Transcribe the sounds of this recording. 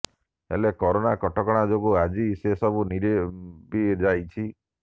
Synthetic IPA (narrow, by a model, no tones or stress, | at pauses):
ḛlekɔɾonakɔʈɔkɔɽ̃ad͡ʒoɡuad͡ʒisesɔbuniɾebid͡ʒajt͡ʃʰi